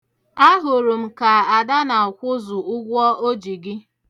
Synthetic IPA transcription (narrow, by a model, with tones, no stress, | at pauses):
a˦ɦʊ˨ɾʊ˨m̩˨ka˨a˨da˦na˨ʊ˨kʷʊ˦zʊ˨ʊ˦ɡʷɔ˦ʔo˦d͡ʒi˨ɡɪ˦